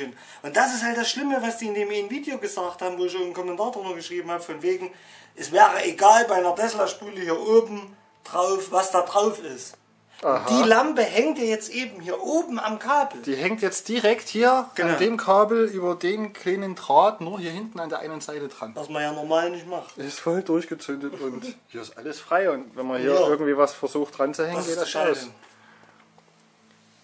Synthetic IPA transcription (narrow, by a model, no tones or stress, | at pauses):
n | ʔʊntd̥asɪsthalt̚d̥asʃlɪməvasd̥iːɪndeːmnviːdjoːɡəzaːkthaːbm̩voːɪçoːn̩kʰɔmɛntʰaːɐdʁʏnɐɡəʃʁ̥iːbm̩haːbəfɔnveːɡŋ̩ | ʔɛsv̥ɛːʁəʔeɡaːlbaɪnɐdɛslaʃpyːləhiːɐʔoːbm̩ | d̥ʁaʊfvasd̥aːdʁaʊfɪst | d̥iːlampəhɛŋtjaːjɛt͡stʔeːbm̩hiːɐʔoːbm̩amkʰaːbl̩d̥iːhɛŋtjɛt͡st̚d̥iʁɛkthiːɐʔandeːmkʰaːbl̩ʔyːbɐdeːnkʰl̥eːnəndʁaːtnuːɐhiːɐhɪntn̩andeːɐa̰ɪnənzaɪlədʁanvasmanjaːnɔmaːlnɪçtmaχtːɪstfɔldʊɐçɡ̥ət͡sʏndətʊnthiːɐɪstʔaləsfʁ̥aɪʊntvɛnmɐhiːɐɪɐɡŋ̩tv̥iːvasfɛɐzuːxt̚d̥ʁant͡suhɛŋənɡeːtd̥asʃnaʊ